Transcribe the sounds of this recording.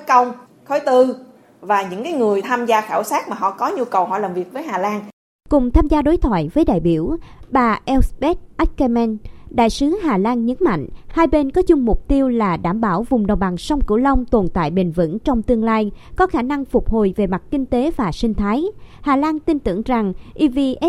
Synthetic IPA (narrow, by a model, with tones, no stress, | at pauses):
kə˧wŋ͡m | xɔ˨˦jt̪ɨ˧ | vaː˨˩ɲɨ̰˧˥ŋkaː˨˦jŋɨ˨˩əjt̪ʰaː˧mzaː˧xaː˧˩wsaː˦˥t̚maː˨˩ɦɔ̰˧˨kɔ˨˦ɲu˧kə˨˩whɦɔ̰˧˨laː˨˩mvi˨˩ək̚vəː˨˦jɦaː˨˩laː˧n | kʊ˨˩ŋ͡mt̪ʰaː˧mzaː˧ɗo˨˦jt̪ʰwa̰ː˧˨jvəː˨˦jɗa̰ː˧˨jɓi˧˩əwɓaː˨˩ʔɛ˧wsɓɛ˦˥t̚ʔa˦˥k̚kɛ˧mɛ˧nɗa̰ː˧˨jsɨ˨˦ɦaː˨˩laː˧nɲə˨˦nma̰˧˨jŋ̟haː˧jɓe˧nkɔ˨˦zʊ˧ŋ͡mmʊ˨˩k͡p̚t̪i˧əwlaː˨˩ɗaː˧˩mɓaː˧˩wvʊ˨˩ŋ͡mɗə˨˩wŋ͡mɓa˨˩ŋsa˧wŋ͡mkɨ̰˧˩lə˧wŋ͡mt̪o˨˩nt̪a̰ː˧˨jɓï˨˩ŋ̟və̰˧˥nt͡ɕɔ˧wŋ͡mt̪ɨ˧əŋlaː˧jkɔ˨˦xaː˧˩na˧ŋfʊ˨˩k͡p̚ho˨˩jve˨˩ma˨˩t̚kï˧ŋ̟t̪e˨˦vaː˨˩sï˧ŋ̟t̪ʰaː˨˦jhaː˨˩laː˧nt̪i˧nt̪ɨ̰˧˩əŋza˨˩ŋʔi˧vi˧ʔ